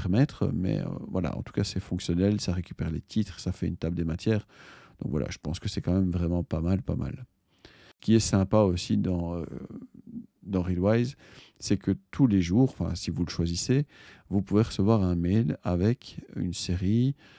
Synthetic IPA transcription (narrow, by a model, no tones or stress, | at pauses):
ʁmɛt̪χmɛ̰ø̰vwa̰la̰ɑ̰̃t̪u̥kasɛfɔ̃ksjɔnɛlsaʁekʲy̥pɛʁlet̪ʰit̪χsafɛynt̪abld̪emat̪ʰjɛːʁd̪̥ɔ̰̃kvwalʔa̰ʒ̥əpɑ̃skəsɛkɑ̃mɛmvʁɛmɑ̃pamalpa̰ma̰l | sə̥kʲiɛsɛ̃paosid̪ɑ̃ø̰ | d̪ɑ̃ʁilwajz | sɛkət̪ʰuleʒuːʁɑ̃fɛ̰̃sivuləʃwazisevupuveʁəsəvwaʁɛ̃melavɛky̰nseʁi